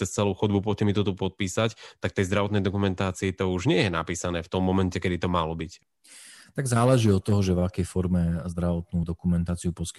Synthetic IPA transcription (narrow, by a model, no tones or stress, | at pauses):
t͡sɛst͡sɛluʊxɔd̪bup̬ʊɔcɛmit̪ɔt̪upɔt̪̚piːsact̪ak̚t̪ɛjzd̪ɾaʋɔt̪nɛjd̪ɔkumɛnt̪aːt͡siit̪ɔuʒɲɪɛjɛnapiːsanɛːft̪ɔmːɔmɛncɛkɛd̪it̪ɔmalɔbic | t̪aɡzaːlɛʒiːɔt̪ːɔɦɔʒɛvakɛjfɔɾmɛzd̪ɾaʋɔt̪nuːd̪ɔkumɛnt̪aːt͡siupɔsk